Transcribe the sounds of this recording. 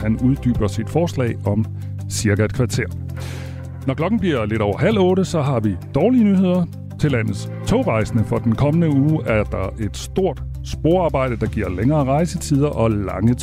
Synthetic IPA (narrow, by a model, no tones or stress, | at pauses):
hænuð̞ˠd̥y̰ːb̥ɐsid̥fɒːslɛ̰ɪɒ̽m | siɐɡ̥ækʰʋɑ̈t͡sʰe̝ɐ̰ | nɒklɒ̽ɡ̥n̩b̥liɐ̰le̝ɾɒʊ̰ɐɦæl̰ɔ̽ːɾəsɒ̽ɦɑ̈ʋid̥ɒːliənyɦe̝ð̞̰ˠɐ | t͡sʰe̝læn̰ð̩ˠs | t͡sʰoʊʁɑ̈ɪsənəfɒ̽d̥enkʰɒ̽mənəuːæɐd̥ɑ̈ʔe̝d̥sd̥o̝ɐ̰d̥ | sb̥o̝ɐ̰ɑ̈ːb̥ɑ̈ɪ̰d̥əd̥ɑ̈ɡ̥iɐ̰leŋɐːʁɑ̈ɪsət͡sʰið̞ˠɐʔɒ̽lɑ̈ŋə